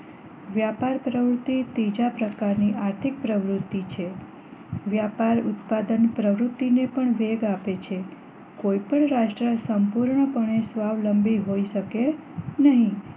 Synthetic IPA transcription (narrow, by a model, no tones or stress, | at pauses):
ʋjapaɾpɾəʋɾut̪ːit̪id͡ʒapɾəkaɾniʔaɾt̪ʰik̚pɾəʋɾut̪ːit͡ʃʰe | ʋjapaɾʊt̪pad̪ənpɾəʋɾut̪ːinepəɳʋeɡapet͡ʃʰe | koipəɳɾaʃʈɾəsəmpuɾɳəpəɳesʋaʋləmbiɦoiʃəkenəɦĩ